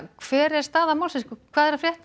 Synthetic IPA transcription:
kʰv̥ɛːɾɛ̥st̪aːðamawlsɛskkʰvaːðɛɾafljɛht̪

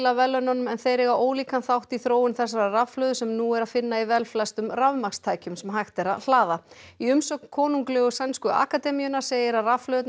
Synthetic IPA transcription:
lavɛlːœnanʏmɛnθeːjɾɪɣaoːwliːkanθawht̪iθɾoːwʏnθɛsaɾaravflœːðʏsɛmnuːɛɾaðfɪnːaivɛlflajst̪ʏmravmakst̪ʰaːjcʏmsɛmɦajxt̪ɛɾa̰ðl̥aːðaiʏmsɔkn̥kʰɔːnuŋklɛːɣʏsanskʏa̰ːkat̪ɛmijʏnaɾ̥seːjɪɾaðravflœːt̪

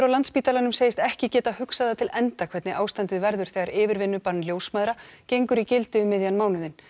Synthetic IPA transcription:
ɾawlant̪spiːt̪alanʏmseːjɪst̪ɛhcɪcɛːt̪ahʏksaðat̪ʰɪlɛnt̪akʰvɛt̪nɪʔaːwst̪ant̪ɪðvɛɾðʏɾ̥θɛɣaɾʔɪːvɪɾvɪnːʏpanːljowsmaːðɾacejŋkʏɾicɪlt̪ʏmːɪðjanmaːwnʏðɪn

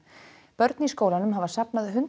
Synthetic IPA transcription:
pœɾt̪niskoːwlanʏmɦavasapnaðʏɦʏn

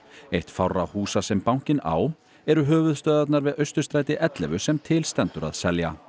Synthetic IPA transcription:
ejht̪fawrahuːsasɛmpawŋ̥cɪna̰ːw | ɛɾʏɦœːvʏð̥st̪œːðat̪naɾvɪðœɥst̪ʏst̪ɾaːjt̪ɪʔɛt̪lɛ̰vʏsɛmt̪ʰɪlst̪ɛnt̪ʏɾa̰ðsɛlja̰

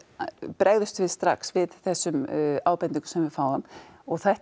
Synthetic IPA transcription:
pɾɛɣðʏst̪vɪðst̪ɾa̰ksvɪðθɛsːʏmaːwpɛnt̪iŋkʏ̥sɛmvɪðfaːwðam | ɔɣθajht̪

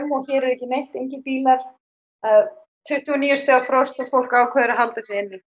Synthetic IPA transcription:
mɔçɛɾɛɾɛhcɪnejht̪ejɲcɪpiːlaɾ̥ | að | t̪ʰʏht̪ːuɔniːjʏst̪aafɾɔwr̥st̪afowl̥kaːwkʰvɛðɾaɦalt̪asɪɛnːɪ

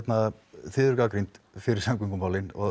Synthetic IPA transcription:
t̪na | θɪðʏɾkaːkɾijnt̪ | fɪɾɪɾ̥saŋkiŋkʏmpaːwlɪnɔ

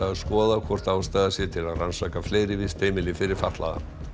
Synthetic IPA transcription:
aðskɔːðakʰvɔr̥t̪aːwst̪aːðasjɛ̥t̪ʰɪlaðransaːkafleːjɾɪvɪst̪ejmɪlɪfɪɾɪɾ̥fat̪la̰ða̰

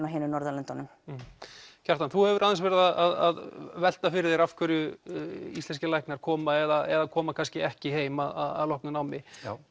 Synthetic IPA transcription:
naɦeːnʏnɔɾðalɛnt̪ɔnʏm | caɾ̥t̪anθuhɛvʏɾʔaðɛnsvɛɾɪðaðʔaðaðvɛl̥t̪afɪɾɪɾðθejɾafkʰvœɾʏ | ḭslɛnscɪlajhknaɾ̥kʰɔːmaɛðaʔɛðakʰɔːmakʰanscɪɛhcɪɦeːjmaða̰ða̰ðlɔhknʏnawmɪ

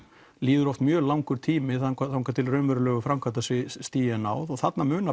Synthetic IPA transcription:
liːðʏɾɔft̪mjœːlawŋkʏɾ̥t̪ʰiːmɪθakaŋkat̪ʰɪlrœːmœɾʏlœːɣʏfɾamkʰat̪asɪst̪iːjanaːwðɔɣθat̪namʏːna

